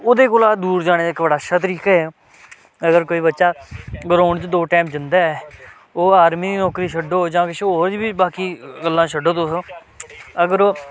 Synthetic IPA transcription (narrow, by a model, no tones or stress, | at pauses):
od̪eːkoːlaːd̪uːɾd͡ʒaːɽ̃eːd̪aɪkbəɽaːʃaːt̪̬əɾiːkaːɦɛː | əɡəɾkoːiːbətːʃaːɡəɾoːɳt͡ʃd̪oːʈaːmd͡ʒɪnd̪aːɛː | oːaːɾmiːiːnɔːkɾiːʃʰəɖoːd͡ʒãːkɪʃoːɾd͡ʒiːbiːbaːkiːɡəlːãːʃʰəɖoːd̪oːsoː | əɡəɾoː